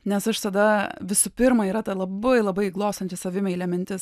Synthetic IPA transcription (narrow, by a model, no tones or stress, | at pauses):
nʲɛsɐʃsɐd̪ɐʋʲɪsupʲɪɾmɐiːɾɐt̪ɐlˠɐbɐɪlˠɐbɐɪiɡlˠoːst̪ɐnʲt͡ʃʲɪsɐʋʲɪmʲɛilʲɛmʲɛnʲt̪ʲɪs